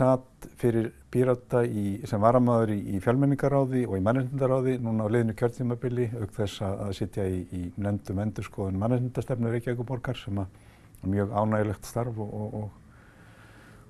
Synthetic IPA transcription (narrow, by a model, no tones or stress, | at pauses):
saːt̪fɪɾɪɾpiɾat̪aisɛmvaːɾamaːðʏɾiːfjœlmɛniŋkaraːwðɪɔɣimanːɛst̪ɪnt̪aɾaːwðɪnunaːwlɪːðɪnʏcʰœɾt̪imapɪlːɪœhk̪θɛsːaða̰ðsɪt̪jaiːnɛnt̪ʏmɛnt̪ʏskɔːðʏnmanːɛst̪ɪnt̪ast̪ɛpnʏɾeːjcakʏpɔɾkaɾ̥sɛma | aɾmjœːɣaːwnaːjlɛxt̪st̪aɾvɔɔɣɔɣ